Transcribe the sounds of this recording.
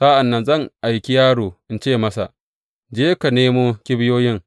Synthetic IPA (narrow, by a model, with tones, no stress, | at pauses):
sa˦ʔa˨nːɐ˨nzɐ˦˨ŋʔa˨jkʲi˦jaː˦ɽuː˨ʔɪ˦nt͡ʃeː˦˨mɐ˦sa̰˨ʔ | d͡ʒeː˦ka˨neː˦moː˦kʲɪ˦bɪ˦joː˦jɪ˦ŋ